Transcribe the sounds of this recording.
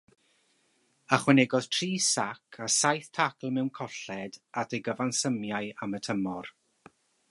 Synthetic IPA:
aχwɛnɛɡɔð̥tʰriːsakʰasajθtʰakl̩ˠmɛwnkʰɔɬɛd̥adʰejɡəvansəmjaɨamətʰəmɔr

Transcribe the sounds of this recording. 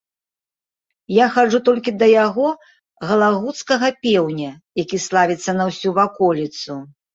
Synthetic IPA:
jaxaʐut̪ɔlʲkʲid̪ɐjaɣɔ | ɣɐlˠaɣut̪skɐɣɐpʲɛwnʲɐ | jakʲislˠavʲit̪sːɐnɐwsʲuvakɔlʲit̪su

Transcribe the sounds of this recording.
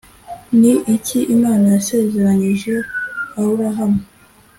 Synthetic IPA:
niʔicʰiʔimaːnajase̞ze̞ɾaɲiʒe̞awuɾaɦame

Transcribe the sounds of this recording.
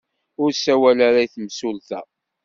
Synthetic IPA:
ʊɾsæwælaɾajθəmsulθæ

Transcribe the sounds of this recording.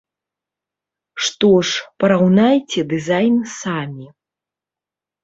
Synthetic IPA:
ʂt̪ɔʂpɐɾawnajt͡sʲɛd̪ɨzajnsamʲi

